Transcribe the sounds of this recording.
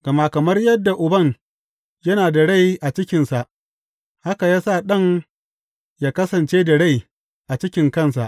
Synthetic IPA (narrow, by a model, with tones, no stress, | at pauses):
ɡ̥ɐ˨maː˦kɐ˨mɐ˦rjɐ˦dːa˨ʔʊ˨bɐ˦˨ŋ | jɐ˦naː˨da˨ɽa˦˨jʔa˨t͡ʃɪ˦kʲɪ˨nsa˨ʔ | ha˦ka˨jaː˦saː˦˨ɗɐ˦ŋ | jaː˦kɐ˦sɐ˨nt͡ʃeː˦da˨ɽa˦˨j | ʔa˨t͡ʃɪ˦kʲɪ˨ŋkɐ˦˨nsa̰˨ʔ